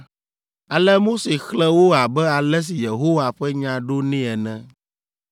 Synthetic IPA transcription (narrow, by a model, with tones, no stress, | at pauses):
a˨lɛ˦mo˦se˨xlɛ̃˦wo˦a˨bɛ˦a˨lɛ˦s̬i˨je˨ɦo˦wa˨ɸɛ˦ɲã˨ɖo˦nĩ˦ɛ˨nɛ̃˦